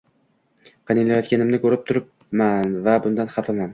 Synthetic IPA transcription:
qʰɑnɪlajɒt̪̚kʲanɪmnɪkʲʰɵɾɪp̚t̪ʰʊɾɪp̚ | manvabʊnd̪anχafɪman

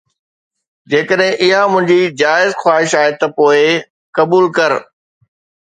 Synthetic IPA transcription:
d͡ʑeːkəɗɦɪ̃ʔɪɦamʊ̃ɦɪ̃ɲd͡ʑid͡ʑaːɪzxwaːɦɪʃaːɦet̪ɐpoːɪ | kɐbuːlkɐɾ

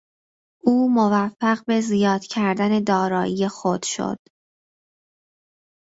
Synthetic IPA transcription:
ʔuːmovæfːæɢbe̞zijɒːd̪̥cʰæɾd̪æne̞d̪ɒːɾɒːije̞xod̪̥ʃo̰d̪̥

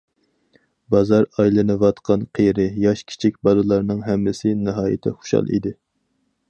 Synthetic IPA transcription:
bɑzɑɾɑjlˠɨnɨvɑt̪qʰɑnqʰejɾɪjɑʃkʲʰi̥t͡ʃʰik̚ʲbɑlˠɨlˠɑɾnɨŋɦɛmːɪsɪnɨɦɑːjɪ̰t̪ʰɪχʊ̥ʃɑ̰lˠḭd̪ɪ

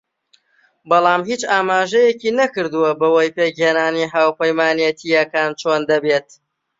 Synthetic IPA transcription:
bɑlˠɑːmɦiːt͡ʃaːmaːʒɛjeciːnɐkɨɾd̪uwɐbɐwɐjpeːɡeːnaːniɦaːwpəjmaːnjet̪ʰijɐkaːnt͡ʃʰoːnd̪ɐbeːt̪

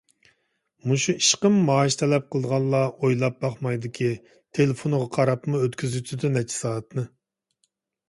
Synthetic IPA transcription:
muʃuiʃqəmːɑːʃt̪ʰɛlɛp̚qʰəlˠəd̪əʁɑlˠlːˠɑojlˠɑp̚bɑχmɑjd̪ɪkʲʰi | t̪ʰelɪfonʊʁɑqʰɑɾɑpmuøt̪kʲʰyzyt̪ʰyd̪ɪnɛt͡ʃʰɛ̥sɑːt̪nɨ

